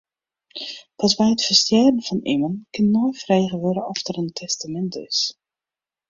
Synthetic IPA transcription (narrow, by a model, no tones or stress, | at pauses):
pɑsbɛjətfərstjɛdənfɔnḭmənkɪnːojfrejɣəʋøɾəɔftərəntʰɛstamɛntɪ̰s